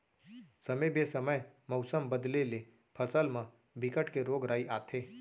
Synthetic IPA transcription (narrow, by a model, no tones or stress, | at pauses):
səmebesəməjmɐʊsəmbəd̪lele | pʰəsəlmã | bʱɪkəʈkeɾoːɡɾaːiʔaːt̪ʰeː